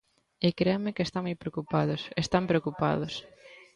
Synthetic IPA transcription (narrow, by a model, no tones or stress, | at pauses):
ekɾeamekest̪amujpɾeokupaðʊsest̪ampɾeokupa̰ðʊs